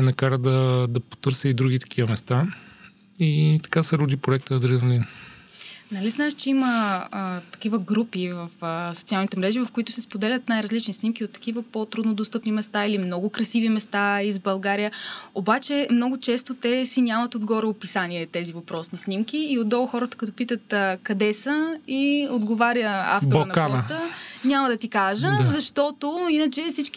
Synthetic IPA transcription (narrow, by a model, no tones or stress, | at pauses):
ɛnɐkaɾəd̪ɐd̪ɐpo̥t̪ɤɾsəid̪ɾuɡit̪ɐ̥kʰivɐmɛst̪a | it̪ɐ̥kasɛɾud̪ipɾoɛkt̪əːd̪ɾinolin | nɐliznaʃt͡ʃɛiməət̪ɐ̥kivəɡɾupivɐfəsot̪sialˠnit̪ɛmɾɛʒivɐfkoit̪ʊ̥sɛspod̪ɛlʲət̪najɾɐzlit͡ʃnisnimk̟iot̪ːɐ̥kivəpot̪ɾud̪nod̪ost̪ɤpnimɛst̪ailimnɔɡʊkɾɐsivimɛst̪aizbɐlˠɡaɾijəobat͡ʃɛmnɔɡʊt͡ʃɛst̪ot̪ɛsinʲamɐt̪od̪ɡɔɾɛopisaniɛt̪ɛzivɐpɾɔsnisnimk̟iːod̪ːɔlˠxɔɾət̪ə̥kət̪opit̪ət̪kɐd̪ɛsəiod̪ɡovaɾjəa̰ft̪onpɔst̪ənʲaməd̪ɐt̪ikaʒəzɐʃt̪ɔt̪oinət͡ʃɛfsit͡ʃk